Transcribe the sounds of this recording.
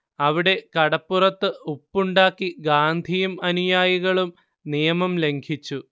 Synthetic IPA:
ɐʋiɽe̞kɐɽɐpːurɐt̪ːɨupːuɳɖaːkːiɡaːnd̪ʱijumɐnujaːjiɣɐɭum | nijɐmɐmle̞ŋɡʰit͡ɕːu

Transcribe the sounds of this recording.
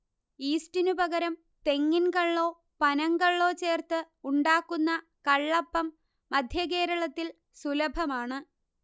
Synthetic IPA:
iːstinupɐɣɐɾɐm | t̪e̞ŋːinkɐɭːoː | pɐnɐŋkɐɭːo̞ːt͡ɕe̞ːrt̪ɨ | uɳɖaːkːunːɐ | kɐɭːɐpːɐmː | ɐd̪ʱjɐke̞ːɾɐɭɐt̪ːil | sulɐbʱɐmaːɳɨ

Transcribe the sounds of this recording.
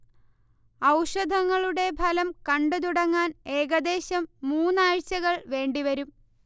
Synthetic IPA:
ɐwʂɐd̪ʱɐŋːɐɭuɽe̞bʱɐlɐmkɐɳɖɨt̪̬uɽɐŋːaːne̞ːɣɐd̪e̞ːɕɐmːuːnːaːɻt͡ɕːɐɣɐɭʋe̞ːɳɖiʋɐɾum

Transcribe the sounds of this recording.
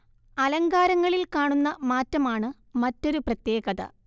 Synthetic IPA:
ɐlɐŋɡaːɾɐŋːɐɭilkaːɳunːɐmaːtːɐmaːɳɨ | mɐtːo̞ɾuprɐt̪je̞ːɣɐðɐ̰

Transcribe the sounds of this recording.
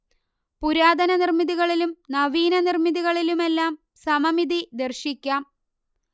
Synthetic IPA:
puɾaːd̪ɐnɐnirmiðiɣɐɭilumnɐʋiːnɐnirmiðiɣɐɭilume̞lːaːm | sɐmɐmiðid̪ɐrɕikʲːaːm

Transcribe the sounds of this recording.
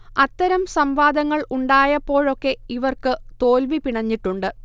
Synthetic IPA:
ɐt̪ːɐɾɐmsɐmʋaːd̪ɐŋːɐɭuɳɖaːjɐpːo̞ːɻo̞kːe̞iʋɐrkɨt̪o̞ːlʋipiɳɐɲːiʈːuɳɖɨ

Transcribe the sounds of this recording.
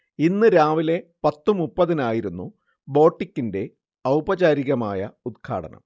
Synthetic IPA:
inːɨɾaːʋile̞pɐt̪ːumupːɐðinaːjiɾunːu | bo̞ːʈːikʲːinde̞ | ɐwbɐt͡ɕaːɾiɣɐmaːjɐud̪̚kʰa̰ːɽɐ̰nɐ̰m

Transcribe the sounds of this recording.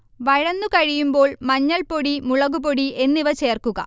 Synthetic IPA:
ʋɐɻɐnːukɐɻijumbo̞ːɭmɐɲːɐɭpoɽimuɭɐɣuboɽie̞nːiʋɐt͡ɕe̞ːrkuɣɐ̰

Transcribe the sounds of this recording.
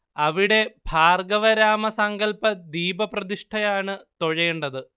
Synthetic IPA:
ɐʋiɽe̞bʱaːrɡɐʋɐɾaːmɐsɐŋɡɐlpɐd̪iːbɐprɐðiʂʈʰɐjaːɳɨt̪o̞ɻɐjeɳɖɐðɨ

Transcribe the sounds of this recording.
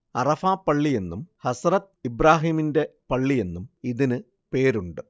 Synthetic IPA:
ɐrɐfaːpːɐɭːije̞nːumhɐsrɐt̪̚ibɾaːɦiːminde̞pɐɭːije̞nːumiðinɨ | pe̞ːɾuɳɖɨ

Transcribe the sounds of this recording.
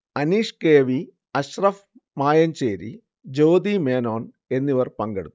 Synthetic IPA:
ɐniːʂkeːʋi | ɐɕrɐf | maːjɐnt͡ɕeːɾḭ | d͡ʑo̞ːd̪imeːnoːn | e̞nːiʋɐrpɐŋɡḛɽut̪ː

